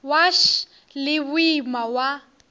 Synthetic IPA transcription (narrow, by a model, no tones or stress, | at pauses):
waʃ | lɪbʊimawa